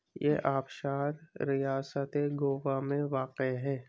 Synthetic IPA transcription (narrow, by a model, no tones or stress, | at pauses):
jeʔaːpʃaːɾɾijaːsət̪eɡoːʋamẽʋaːqeɦɛː